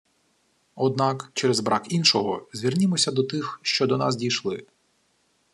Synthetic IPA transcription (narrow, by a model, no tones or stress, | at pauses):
ɔd̪nɑkt͡ʃɛɾɛzbɾʔɑkinʃɔɦɔzʲʋʲirnʲɪmɔsʲɐd̪ɔt̪ɪxʃt͡ʃɔd̪ɔnɑ̰s̬dʲijʃlˠɪ